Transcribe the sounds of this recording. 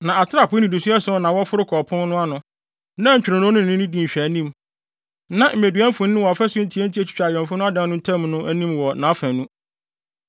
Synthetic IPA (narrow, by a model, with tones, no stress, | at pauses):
nã˨a˨tʰɪ˦ɾa˦˨pʰʊ˦ĩ˨du˨si˦ɛ˦sʊ˦ɔ˨˦nã˨wɔ˦fʊ˦ɾʊ˦kʰɔ˨pʰʊ̃˦nnʊ̃˦a˦nʊ̃˨ | nã˦˨ɲ̩˨t͡ɕᶣɾã˨nʊ̃˦ʊ̃˦n̩˨ɪ̃˦nĩ˦dĩ˨ɕᶣæ˨nĩ˦m | nã˨m̩˨e˨dɥɛ̃˦m˦fʊ̃˨ñ˦ʊ̃˦wɔ˨fɛ˦sʊ˦n̩˦tʰi˦ɛ˦n˦tʰi˦æ˦˨t͡ɕʰᶣi̥˦t͡ɕᶣa˨ɥɛ̃˨mfʊ˦nʊ̃˦a˦dã˦nʊ̃˦n̩˦tʰɛ̃˦mnʊ̃˦ʔæ˦nĩ˦mwɔ˨nã˨˦fæ̃˨nũ˦